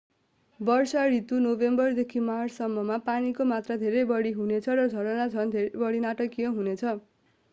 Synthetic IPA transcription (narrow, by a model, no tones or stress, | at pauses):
bʌrsaɾit̪unobembʌrd̪ekʰimart͡ssʌmːʌmapanikomat̪rad̪ʱeɾʌjbʌɽiɦunet͡sʰʌrʌd͡zʱʌɾʌnat͡sʰʌnd̪ʱeɾbʌɽinaʈʌkiʌɦunet͡sʰʌ